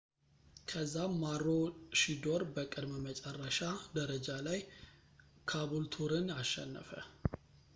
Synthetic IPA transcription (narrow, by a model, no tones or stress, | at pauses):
kʰəzːamaɾːoʃid̪o̞ɾbəkʼɨd̪məmət͡ʃʼɛrːəʃad̪əɾəd͡ʒalaj | kʰaβult̪ʰuɾɨnaʃːɛnːəfə̰